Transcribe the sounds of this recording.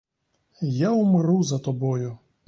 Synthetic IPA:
jaʊmɾuzɐt̪ɔbɔjʊ

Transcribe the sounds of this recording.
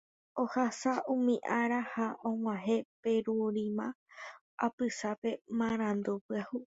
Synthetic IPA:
ohasaʔũmĩʔaɾahaʔõwãɦe̞pe̞ɾuɾĩmã | a̰pɨsape̞mãɾ̃ãnd̪upɨahu

